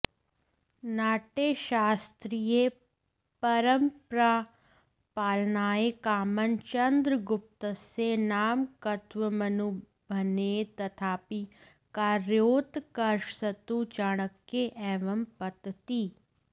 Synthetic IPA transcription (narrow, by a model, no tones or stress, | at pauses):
naːʈeʃaːst̪ɾije | pɐɾəmpɾa | paːlnaːekaːmənt͡ʃɐ̃nd̪ɾəɡʊp̚t̪əsenaːmkɐt̪ʋəmɐnu | bʱənet̪ɐt̪ʰaːpi | kaːɾjoːt̪kɐɾʃsɐt̪ut͡ʃaːɽ̃əkːeʔɛːʋəmpɐt̪t̪iː